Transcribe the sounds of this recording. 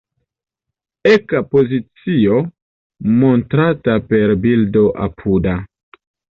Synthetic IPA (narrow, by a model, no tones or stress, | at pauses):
ekapo̞zit͡sio̞ | montɾatape̞ɾbildo̞ʔa̰pʰuda